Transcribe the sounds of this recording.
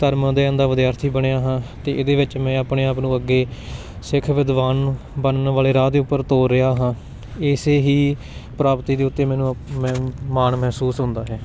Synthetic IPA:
t̪əɾmd̪eːnd̪aːʋɪd̪jaːɾt̪ʰiːbəɳejaːɦãːt̪eːʔɪd̪eːʋɪt͡ʃmɛ̃ːaːpɳeːaːpnũːəɡːeː | sɪkʰʋɪd̪ʋaːn | bənənʋaːleːɾaːd̪eːʊpːəɾt̪oːɾɪaːɦãː | ɪseːɦiː | pɾaːpt̪iːd̪eːʊt̪ːeːmɛ̃ːnũːmɛ̃ːmaːnmɛɦsuːsɦʊ̃nd̪aːɦɛː

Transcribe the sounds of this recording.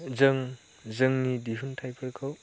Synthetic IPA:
zəŋ | zəŋnidiɦuntʰajpʰɐɾkʰaw

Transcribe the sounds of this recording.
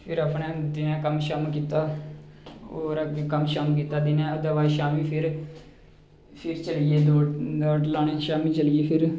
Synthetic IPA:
pʰɪɾəpnẽːt̪ɪnãːkəmʃaːmk̬iːt̪aː | oːɾakəmʃaːmkiːt̪aːd̪ɪnãːod̪aːʋaːiʃaːmĩːpʰɪɾ | pʰɪɾt͡ʃəlieːd̪oːd̪oːʈlaːneːʃaːmĩːt͡ʃəlɪjeːpʰɪɾ

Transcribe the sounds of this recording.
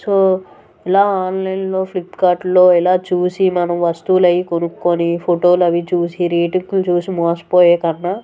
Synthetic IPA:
soː | ɛlaːaːnlɐjnlo̞ːpʰlipːkaːɾʈlo̞ːɛlaːt͡ʃuːsimɐnɐmʋɐst̪ulɐjkonukːonipʰoʈoːlɐʋit͡ʃuːsiɾiːʈiŋɡlut͡ʃuːsimoːspoːjeːkɐnːa

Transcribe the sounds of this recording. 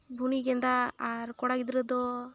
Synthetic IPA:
bʱuniɡɛnd̪aːɾkɔɽaɡid̪ɾɔd̪ɔ

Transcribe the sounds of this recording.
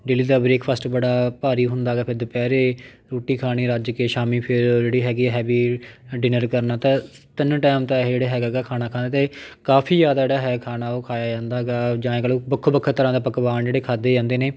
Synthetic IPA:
ɖɪliːd̪aːbɾeːkʰpʰəsʈbəɽaːpaːɾiːɦʊ̃nd̪aːɡɛːpʰɪɾd̪əpɛːɾeː | ɾoːʈiːkʰaːɽ̃iːɾad͡ʒkeːʃaːmiːpʰɪɾd͡ʒeːɽiːɦɛːɡiːɦɛːbiːɖɪnəɾkəɾnaːt̪ãː | t̪ɪnʈaːmt̪ãːd͡ʒeːɽeːɦɛːɡaːɡɛːkʰaːnaːkʰãːnd̪eːt̪eːkaːpʰiːzaːd̪aːd͡ʒeːɽaːɦɛːkʰaːnaːoːkʰaːjaːd͡ʒãːnd̪aːɡaːd͡ʒãːẽkːlõːbəkʰːbəkʰːət̪əɾãːd̪aːpəkbaːnd͡ʒeːɽeːkʰaːd̪eːd͡ʒãːnd̪eːneː

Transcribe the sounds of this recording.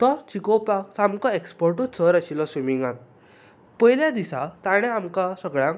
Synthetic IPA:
t̪ɔt͡ɕikopaksamkɔekspɔɾʈut͡səɾaɕilɔsumiŋɡan | pəjljãd̪isat̪aɽ̃ɛ̃amkasəɡɭãŋk

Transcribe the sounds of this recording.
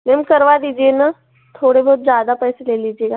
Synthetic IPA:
nemkəɾʋad̪iːd͡ʒiena | t̪ʰoːɽebʱɔːt̪̚zjaːd̪apɛːseleːliːd͡ʒieɡa

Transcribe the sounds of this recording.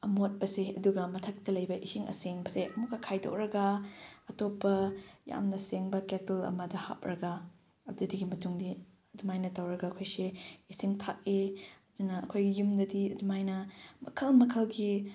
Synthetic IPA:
ɐmot̚pɐseɐduɡɐmɐtʰɐk̚tɐlɐjbɐʔisiŋɐ̰seŋbɐseʔɐmukɐkʰajdo̰k̚ɾɐɡɐɐtopːɐja̰mnɐseŋbɐketilɐ̰mɐdɐha̰p̚ɾɐɡɐ | ɐbdudiɡimɐtuŋdi | ɐdumajnɐtɐwɾɐɡɐːkʰojseisiŋtʰak̚iɐdunɐɐkʰojɡijumdɐdiɐdumajnɐmɐ̰kʰɐlmɐkʰɐlɡi

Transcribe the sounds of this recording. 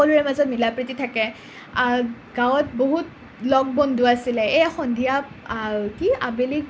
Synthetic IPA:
ɔluɹɛmazɔtmilapɹititʰakɛ | a | ɡ̥awɔtboɦut | lɔk̚bɔndʱʊasilɛexɔndʱija | kia̰belik

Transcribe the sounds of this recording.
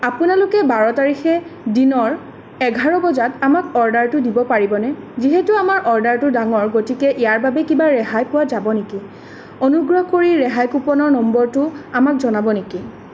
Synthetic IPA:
apʊnalʊkɛbaɹɔtaɹixɛdinɔɹ | ɛɡʱaɹɔbɔzatamakɔɹdaɹtʊdibɔpaɹibɔnɛziɦɛtʊamaɹʔɔɹdaɹtʊdaŋɔɹɡotikɛʔijaɹbabɛkibaɹɛɦajpʊwazabɔneki | ɔnuɡɹɔɦkoɹiɹɛɦajkupɔnɔɹnɔmbɔɹtʊamak̚zɔnabɔneki

